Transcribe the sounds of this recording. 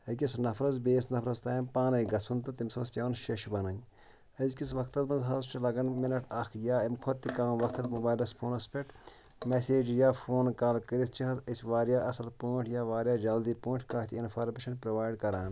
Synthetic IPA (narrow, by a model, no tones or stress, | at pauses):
ɐk̬ʲisnɐfʰɾɐzbeːsnɐfʰɾɐzt̪aːimpaːnɐjɡɐsʰunt̪ɐt̪imsɐmɐspʲjaːnʃɐʃbɐnɐnʲ | ɐzkisʋɐkʰt̪ɐt̪mɐnzɦɐzt͡ʃʰilɐɡɐnminɐʈʰɐkʰjaːɐmkʰot̪ːikaːmʋɐkt̪ɐt̪mubaːjlɐspʰoːnɐspeʈ | meseːd͡ʒjaːfʰoːnkaːlkəɾit̪ʰt͡ʃʰiɦɐzɐsʲʋaːɾjaːʔɐsɐlpoːʈʰjaːʋaːɾjaːd͡ʒɐld̪iːpõːɳʈʰkaːt̪ʰiinfaːɾmeːʃɐnpɾoʋaːjɖkɐɾaːn